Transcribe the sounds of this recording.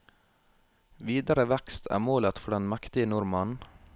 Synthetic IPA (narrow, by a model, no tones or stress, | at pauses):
ʋiːd̪əɾəʋɛkst̪ʰæ̰ːmoːlət̪fɔɖɛnmækt̪ɪənʊɾmɑn